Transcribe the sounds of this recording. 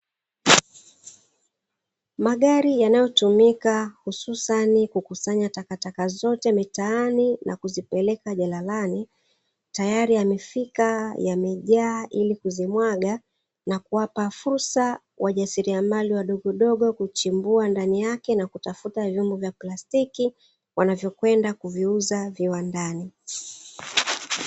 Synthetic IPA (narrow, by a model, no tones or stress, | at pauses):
maɠaɾijanajɔtumikahususanikukusaɲatakatakazɔtɛmitaaninʔa̰kuzipɛlɛkaʄalalani | tajaɾiamɛfikajamɛʄaːʔilikuzimwaɠa | nakuwapafuɾsa | wʔaʄasiɾiamaliwaɗɔɠɔɗɔɠɔkut͡ʃimbuandanijakɛnakutafutavjumbɔvjaplastiki | wanavjɔkwɛndakuviuzaviwandani